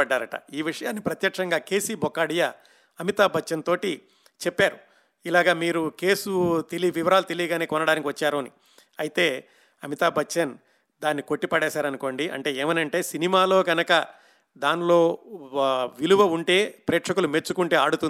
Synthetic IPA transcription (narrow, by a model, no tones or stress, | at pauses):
ɐɖːaːɾɐʈɐ̰iːʋiʂɐjaːnːipɾɐt̪jɐkʂɐŋɡaːke̞ːsiːbɔkːaːɽijɐ | ɐmit̪aːbʱɐt͡ʃːɐnt̪o̞ːʈi | t͡ʃɛpːaːɾu | ilaːɡaːmiːɾuke̞ːsut̪eliʋiʋɐɾaːlut̪e̞liːɡaːneːkɔnɐɽaːnikʲiʋɐt͡ʃːaːɾuɐnḭ | ɐjit̪eː | ɐmit̪aːbʱɐt͡ʃːɐn | d̪aːnːiko̞ʈːipɐɽɛːsaːɾɐnuko̞ːɳɖiʔɐ̰ɳʈe̞ːeːmɐnɐɳʈe̞ːsinimaːlo̞ːɡɐnɐkɐ | d̪aːnlo̞ː | ʋiluʋɐuɳʈe̞ːpɾeːʈʂɐkulume̞t͡ʃːukuɳʈe̞ːaːɽut̪und̪